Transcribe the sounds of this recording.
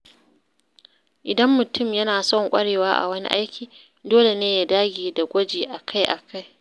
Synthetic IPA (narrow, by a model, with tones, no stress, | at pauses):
ʔɪ˨dɐ˦mːʊ˨tʊ˦˨mjɐ˦naː˨sɔ˦˨ŋkʷʼɐ˦ɽeː˨waː˦ʔa̰˨wɐ˦nḭ˦ʔa̰˦jkʲiː˨ | doː˦le˨neː˦ja˨daː˦ɡʲiː˨da˨ɡʷɐ˦d͡ʒeː˨ʔa˨kʰa˦jʔa˨kʰa˦j